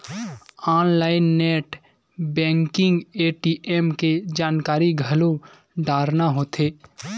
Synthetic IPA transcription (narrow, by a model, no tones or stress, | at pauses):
aːnlaːɪnːeːʈ | bɛ̃ːŋkɪ̃ŋɡeːʈiːʔemked͡ʒaːnkaːɾiɡʱəlo | ɖaːɾnaɦoːt̪ʰeː